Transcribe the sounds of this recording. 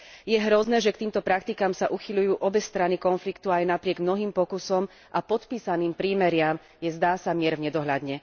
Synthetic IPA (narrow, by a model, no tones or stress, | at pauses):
jɛɦɾɔznɛːʒɛk̚t̪iːmt̪ɔpɾak̚t̪ikamsaʔuxiʎujuːʔɔbɛst̪ɾanikɔnflikt̪uajnapɾɪɛɡmnɔɦiːmpɔkusɔm | ʔapɔt̪piːsaniːmpɾiːmɛɾɪam | jɛzd̪aːsamɪɛɾvɲɛd̪ɔɦʎad̪ɲɛ